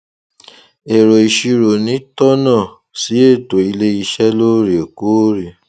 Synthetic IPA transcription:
e˨ɾo˨i˨ʃi˧ɾo˨nĩ˨˦tɔ˦nã˦˨ | si˨˦e˦˨to˨i˧le˦i˧ʃɛ˦lo˦ɾi˨o˨ku˦ɾi˨

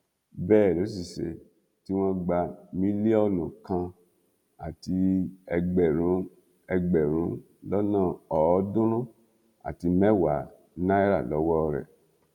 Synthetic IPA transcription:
bɛː˦˨lo˨˦s̬i˨ʃḛ˧ | ti˦w̃ɔ̃˦ɡ͡ba˧mĩ˦li˦ɔ˦˨nũ˨kã˧ | a̰˨ti˧ɛ˧ɡ͡bɛ˨ɾ̃ũ˨˦ | ɛ˧ɡ͡bɛ˨ɾ̃ũ˨˦ | lɔ˦nãː˦˨ɔ˨˦dũ˦ɾũ˦ | a̰˨ti˧mɛ˦wa˨˦ | nã˦i˦ɾa̰˦˨lɔ˨˦wɔ˦˧ɾɛ̰˨

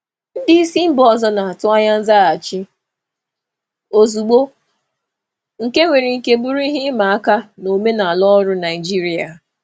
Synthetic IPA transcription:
n̩˦dɪ˦i˦si˦m̩˦bɔ˦˨zɔ˦na˨a˨tʊ˦a˦ɲa˦n̩˦za˦a˨t͡ʃɪ˦ | o˨zu˨ɡ͡bo˦ | ŋ̩˨ke˦ŋʷe˨ɾi˨ŋ̩˨ke˦bʊ˦ɾu˦i˦ɦɪ˦ma˨a˦ka˦no˨me˦na˨a˨lɔ˦ɔ˦ɾʊ˦na˨ɪ˨d͡ʒi˦ɾi˦a˨

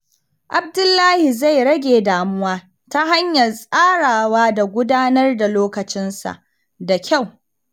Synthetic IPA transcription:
ʔa˨b̚dʊ˦lːaː˦hi˨za˦˨jɽɐ˦ɡʲeː˨daː˨mʊ˦waː˦ | ta˦ɦa˦ɲjɐ˨lsʼaː˦ɽaː˨waː˦da˨ɡʷʊ˦daː˦nɐ˦rda˨loː˦kɐ˨t͡ʃɪ˦nsa̰˨ʔ | da˨kʲa˦˨w

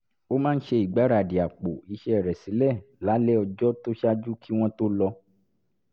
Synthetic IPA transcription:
o˦mãː˦˧n̩˦ʃe˧i˨ɡ͡ba˨˦ɾa˧˨di˨a˨k͡po˨i˧ʃɛ˧˦ɛ˨ɾɛ˨sĩ˨˦lɛ˦˨la˨˦lɛ˦ɔ˧d͡ʒɔ˦to˦ʃa˦d͡ʒu˦kʰi˦w̃ɔ̃˦to˦lɔ˧

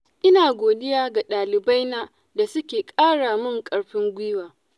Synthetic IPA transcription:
ʔɪ˦naː˨ɡʷoː˨dɪ˦jaː˦ɡa˨ɗaː˨lɪ˨ba˦jna˦ | da˨sʊ˦kʲeː˨kʼaː˦ɽa˨mʊ˦˨ŋkʼɐ˨ɽɸɪ˦ŋɡʷiː˦waː˨

